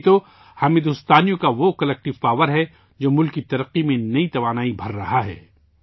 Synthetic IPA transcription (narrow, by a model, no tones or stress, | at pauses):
t̪o | haːmɪd̪ʊst̪aːnijõkaʋokɐlɛːk̚ʈɪʋpaːʋəɾɦɛ | d͡ʒoːmʊlkːit̪ɐɾəqːimẽnɐit̪ɐʋaːnaːibʱɐɾːɐɦaɦɛ̰ː